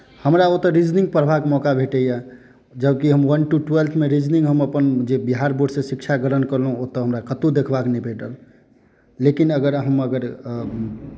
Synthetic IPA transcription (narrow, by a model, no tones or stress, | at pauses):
həmɾaot̪əɾid͡ʒnĩŋɡ̚pəɾbʱakemɔkabʱeʈəja | d͡ʒəb̚kiɦəmwənʈuʈuwelt̪ʰmeɾid͡ʒnĩŋɡɦəməpənd͡ʒebiɦaɾboɖsẽsikt͡ʃʰaɡəɾənkəɾlɦũot̪əɦəmɾakət̪ud̪ekʰbaknibʱeʈəl | lekinəɡəɾɦəməɡəɾ